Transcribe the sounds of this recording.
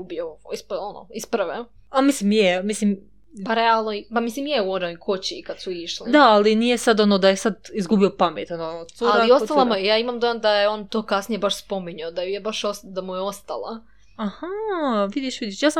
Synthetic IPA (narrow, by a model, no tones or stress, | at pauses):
ubioispono̰isprʋe | amislimjemislim | paɾealˠnoipamislimjeɛuonojkʰot͡ɕiːkad̪̥suiʃlid̪aːlinijesad̪o̞nod̪ajesad̪izɡubiopamet̪onosuallaiost̪allˠamojejaːimamd̪ojand̪ajeo̞ːnt̪o̞ːkasnijebaʃspo̞miɲaod̪ajujebaʃosd̪amujeo̞st̪a̰lˠa̰ | ahaʋid̪iʃʋid̪iʃjaːsam